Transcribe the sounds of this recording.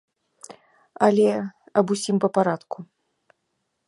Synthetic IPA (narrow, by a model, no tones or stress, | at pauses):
ɐalʲɛ | ɐbusʲimpɐpaɾat̪ku